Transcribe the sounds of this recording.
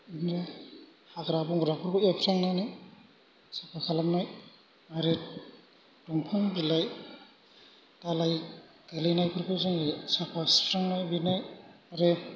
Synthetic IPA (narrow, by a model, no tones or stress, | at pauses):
inɾa | haɡɾabuŋɡɾakʰɯɾkɯepʰɾaŋnawna | sapʰakʰalak̚naj | aɾet | duŋpʰaŋbilaj | talaj | ɡelinajkʰɯɾkʰɯzɯŋisapʰaspʰɾaŋnajbinaj | aɾe